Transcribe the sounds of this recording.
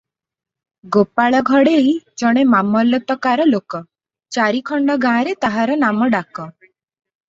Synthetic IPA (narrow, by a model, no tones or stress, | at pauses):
ɡopaɭɔɡʱɔɽeɦid͡ʒɔɽ̃emamɔlɔt̪ɔkaɾɔlokɔ | t͡ʃaɾikʰɔɳɖɔɡãːɾet̪aɦaɾɔnamɔɖakɔ